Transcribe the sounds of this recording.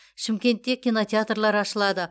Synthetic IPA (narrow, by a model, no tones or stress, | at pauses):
ʃɪmkʲe̞nt̪ːe̞kʲːino̞t̪ʲeat̪rlˠɑɾɑʃəlˠɑd̪ə